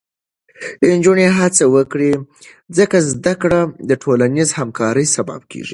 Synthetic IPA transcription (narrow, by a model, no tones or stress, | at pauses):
ɪnd͡ʒuneɦat͡sawəkɽi | zəkazd̪akɽad̪əʈʰolanizhamkɑɾəjsaba̰b̚kʰḛʐi